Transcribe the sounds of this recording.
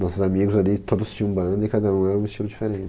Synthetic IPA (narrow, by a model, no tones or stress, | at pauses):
nɔsʊzamiɡʊzalit̪od̪ʊst͡ʃĩɲɐ̃bɐ̃nd̪ɐikad̪ɐũɛɾɐ̃ũɪst͡ʃilʊd͡ʒifeɾẽnt͡ʃɪ